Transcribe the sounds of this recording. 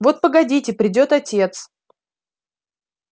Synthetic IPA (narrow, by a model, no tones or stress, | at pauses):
vo̞t̪̚pəɡɐdʲitʲɪpɾʲɪdʲo̞t̪ɐtʲe̞t̪s